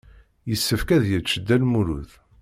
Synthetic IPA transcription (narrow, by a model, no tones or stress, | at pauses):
jəsːəfkæðjət͡ʃːəd̪ːælmuɾṵθ